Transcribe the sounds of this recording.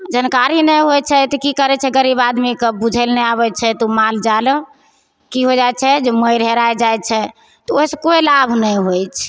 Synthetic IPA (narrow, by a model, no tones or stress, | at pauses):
d͡ʒənkaɾinɛjɦojt͡ʃʰɛt̪ɔkikəɾɛt͡ʃʰɛɡəɾibad̪mikebud͡ʒʱəlneaβɛt͡ʃʰɛt̪umald͡ʒalə | kiɦod͡ʒajt͡ʃʰɛd͡ʒeməjɾɦeɾajd͡ʒajt͡ʃʰɛ | t̪ɔosəkoelabʱnɛjɦojt͡ʃʰ